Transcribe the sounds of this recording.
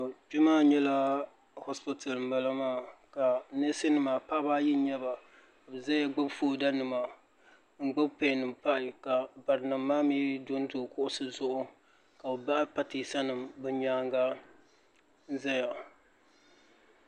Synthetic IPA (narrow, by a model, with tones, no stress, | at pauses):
t͡ʃɪ˦maː˦ɲɛ˦la˦ | hɔ˦spi˦ta˨lm̩˨ba˨la˦maː˦˨ka˨ne˦sɪ˦nɨ˨maː˨pa˦ba˦ji˦ɲɛ˦ba˨ | ka˨bɨ˨za˦ja˦ɡ͡ba˦bfoː˦˨da˦nɨ˨ma˨ | ŋ̩˦ɡ͡ba˦bpa˦˨nɨ˨mpa˦ʔɪ˨ka˨ba˨ɾɨ˨na˨mːaː˦mi˦do˦n˦to˨kʊ˦ʔʊ˦sɨ˦zʊ˦ʔʊ˦ | ka˨bo˨ba˦ʔɪ˦pa˦ti˨sa˦nɨ˨mbɨ˦ɲaː˦ŋɡa˦ | n˦za˦ja˨